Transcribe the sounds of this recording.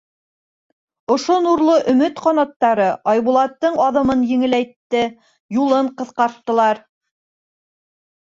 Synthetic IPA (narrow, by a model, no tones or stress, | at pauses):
ŏʃonuɾlˠoʔɵ̆mɘt̪qɑnɑt̪ːɑɾɤʔɑjβulˠɑt̪ːɤɴɑðɤ̆mɤnjɘ̆ŋɘ̆læjt̪ːɘ | julˠɤɴqɤ̆θqɑɾt̪ːɤ̆lˠɑɾ